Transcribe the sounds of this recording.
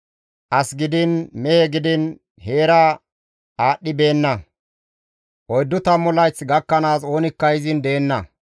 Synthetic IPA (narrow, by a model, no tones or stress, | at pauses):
ʔɐsɡɪd̪ɪnmɛheɡɪd̪ɪn | he̞ːɾaː | aːɗːɪbe̞ːnːɐ | ʔɔjd̪ːʊt̪ɐmːʊlɐjt͡sːɡɐkːɐnaːso̞ːnɪkːɐjɪzɪnd̪e̞ːnːɐ